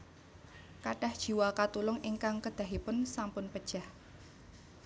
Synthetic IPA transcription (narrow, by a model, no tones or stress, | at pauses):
kaɖ̥a̤hd̥ʒ̥i̤wakat̪ulʊŋiŋkaŋkəd̪̥a̤ɦipʊnsampʊnpəd̥ʒ̥ah